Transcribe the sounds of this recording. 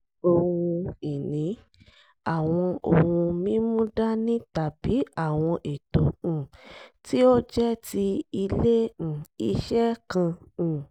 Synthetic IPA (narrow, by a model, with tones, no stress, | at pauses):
o˧wũ˧i˨nĩ˨˦ | a˨w̃ɔ̃˧o˨wũ˧mĩ˦mũ˦da˦nĩ˦ta˨bi˨˦a˦˨w̃ɔ̃˧ʔe˨tõ˨ti˦o˦d͡ʒɛ˦ti˧i˧lẽ˦˨i˧ʃɛ˦kã˧˨